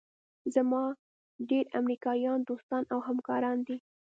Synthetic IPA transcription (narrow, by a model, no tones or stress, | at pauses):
zamɑ | ɖeɾamɾikɑjɑnd̪ost̪ɑnawɦamkɑɾɑnd̪i